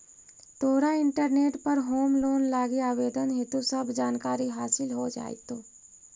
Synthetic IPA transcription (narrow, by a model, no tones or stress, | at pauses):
t̪oːɾaɪ̃ɳʈəɾneːʈpɐɾɦoːmloːnlaːɡiaːʋeːd̪ənɦet̪usɐbd͡ʒaːnkaːɾiɦaːsɪlɦod͡ʒa̰ːḭt̪oː